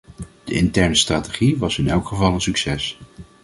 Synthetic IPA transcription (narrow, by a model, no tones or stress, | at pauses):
d̥əʔɪntɛɹnəstraːteχiʋɑsɪnɛlˠkχəvɑlˠənsyksɛs